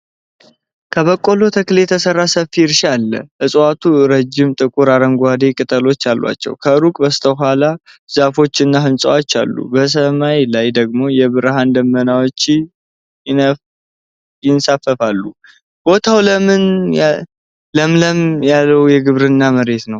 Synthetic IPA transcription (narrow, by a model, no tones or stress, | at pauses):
kʰəβəkʼːo̞lo̞t̪ʰəkɨlet̪ʰəsərːasəfːiɾʃalːə̰ʔɨsʼwat̪ʰuɾəd͡ʒːɪmt̪ʼɨkʼuɾaɾəŋɡʷad̪e̞kʼɨt̪ʼəlo̞t͡ʃːalːwa̰t͡ʃːɛ̰wkʰəɾukʼbəst̪ʰəɦala | zafo̞t͡ʃːɨnːaɦɨnsʼəwat͡ʃːa̰lːṵbəs̬əmajlajd̪əɡmo̞jɛbɨɾɦand̪əmːənawot͡ʃː | jɪnsafːəfalːu | b̥o̞t̪ʰawləmɨn | ləmləmjalːəwjɛɡɨβɾɨnːaməɾe̞t̪nəw